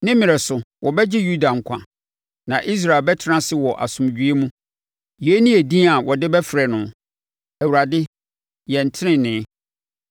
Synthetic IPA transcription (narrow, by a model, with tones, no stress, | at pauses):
nɪ̃˦mɪ̃˨ɾɛ˨sʊ˨wɔ˨bɛ˦d͡ʑɪ˦ju˦da˨ŋ̩˨kʷʰã̰˨ | nã˨ʔi˦s̬ɾa˨ɪ˨bɛ˦tʰɪ˦ɾã˦sɪ˦wɔ˨ʔa̰˨sʊ̃˨m˨d͡ʑᶣɥe˦mũ˦ | je˦nĩ˦e˨dĩ˦a˨wɔ˨dɪ˦bɛ˦fɾɛ˨nʊ̃˨ | æ˨wu˨ɾa˨dɪ˦ | jɛ˨n̩˨tʰɪ˦nɪ̃˦nɪ̃˨˦